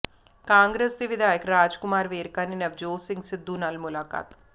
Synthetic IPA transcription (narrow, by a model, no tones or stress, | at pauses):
kãːŋɡɾeːsd̪iːʋɪd̪aːjəkɾaːd͡ʒkʊmaːɾʋeːɾkaːninɐʋd͡ʒoːsɪ̃ŋɡsɪd̪ːunaːlmʊlaːka̰ːt̪